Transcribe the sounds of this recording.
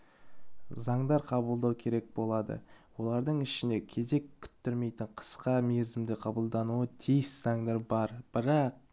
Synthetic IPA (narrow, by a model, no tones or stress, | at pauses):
zɑɴd̪ɑɾqʰɑbəlˠd̪ɑwkʲʰe̞ɾe̞k̚bo̞lˠɑd̪ə̰wo̞lˠɑɾd̪əɴɪʃɪnd̪e̞kʲʰe̞ze̞kʲʰːʏ̥t̪ːʏɾme̞jt̪ɪɴqʰə̥sqɑmeɾzɪmd̪ɪqʰɑbəlˠd̪ɑnuət̪ʰijɪsz̥ɑɴd̪ɑɾbɑɾb̥ɪɾɑq̚